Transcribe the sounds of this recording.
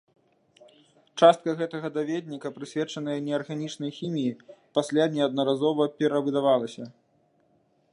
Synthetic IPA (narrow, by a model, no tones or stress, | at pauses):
t͡ʂast̪̚kɐɣɛt̪ɐɣɐd̪avʲed̪ʲnʲikɐpɾɨsʲvʲɛt͡ʂɐnɨjɐnʲɛɐrɣanʲit͡ʂnɐjxʲimʲijipasʲlʲanʲɛɐd̪̚nɐɾazɔvɐpʲɛɾɐvɨd̪avalˠɐsʲɐ